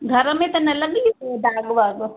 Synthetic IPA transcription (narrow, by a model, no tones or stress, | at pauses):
ɡʱɐɾmẽt̪ɐnɐlɐɡeɖ̪aːɡʋaːɡ